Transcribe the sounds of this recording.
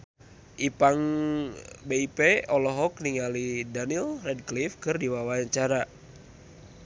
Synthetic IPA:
ʔipaŋ | beipeɔlɔɦɔk̚niŋalidanilrɛd̚klifkɨrdiwawaɲt͡ʃaɾa

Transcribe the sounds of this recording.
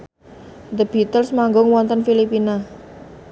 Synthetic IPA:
d̪əb̥i̤t̪əlsmaŋɡɔŋwɔnt̪ənfilipina

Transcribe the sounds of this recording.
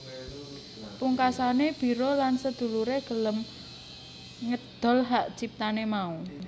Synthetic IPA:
puŋkasaneb̥i̤ɾolansəd̪̥ṳluɾeɡ̥ə̤ləm | ŋəd̪̥ɔ̤lɦaʔt͡ʃip̚t̪anemau

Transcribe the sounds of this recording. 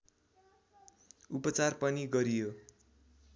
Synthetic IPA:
upʌt͡sarpʌniɡʌɾijo

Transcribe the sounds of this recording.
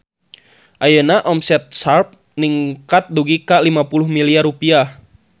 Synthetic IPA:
ʔajənaʔɔmsɛt̪̚sarp̚ | niŋkat̪̚duɡikalimapulʊhmiliarupiah

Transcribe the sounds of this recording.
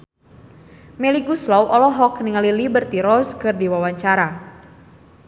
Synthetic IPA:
mɛliɡuslɔwʔɔlɔɦɔkniŋalilibərt̪iɾɔskɨrdiwawaɲt͡ʃaɾa

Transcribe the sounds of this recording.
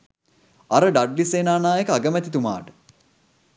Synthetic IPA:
ɐɾəɖaɖliseːnaːnaːekəaɡəmæt̪it̪uma̰ːʈə̥

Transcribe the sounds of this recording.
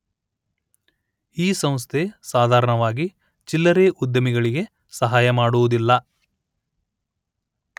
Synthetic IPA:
iːsɐmst̪ʰesaːd̪ʱaːɾɐɳɐʋaːɡi | t͡ʃilːɐɾeːʔud̪jɐmiɡɐɭiɡe̞ | sɐɦaːjɐmaːɽuʋud̪ilːɐ

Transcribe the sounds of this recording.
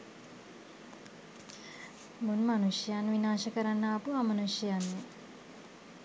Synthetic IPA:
munmanuʃjəjanʋinaːʃəkəɾanːəːpuamɐnuʃjəjanːe

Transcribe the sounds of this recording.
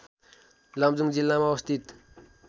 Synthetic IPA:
lamd͡zuŋd͡zilːamawst̪it̪

